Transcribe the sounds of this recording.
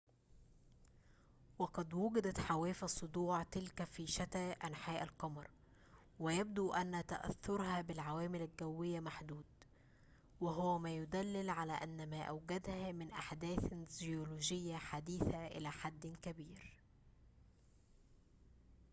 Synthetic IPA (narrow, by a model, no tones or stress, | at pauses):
wɑqɑd̪wʊɡæd̪æt̪ħawæːfæsˤːod̪ˤuːʕt̪ɪlkæfiːʃæt̪æːʔænħaːʔælqɑmɑɾˤ | wɪjæb̚d̪uʔænːæt̪æ̰ʔæ̰θːoɾˤhæbɪlʕawæːmɪlælɡæwːɪjːæmaħd̪uːd̪ | wɪɦʊwæmæːjʊd̪ælːɪlʕalæːʔænːæmæːʔæwɡæd̪hæmɪnʔaħd̪æːθzjoluːʒɪjːæħad̪iːθæʔɪ̰læːħad̪ːkæbiːɾ